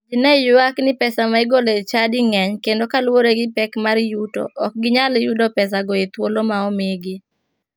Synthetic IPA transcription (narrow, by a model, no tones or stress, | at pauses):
d͡ʒinɛjʊaknɪpɛsamaiɡolet͡ʃadɪŋɛɲkendokalwoɾeɡɪpɛkmaɾjuto̰ʔɔk̚ɡɪɲaljudɔpɛs̬aɡɔet̪wolomaɔmeɡɪ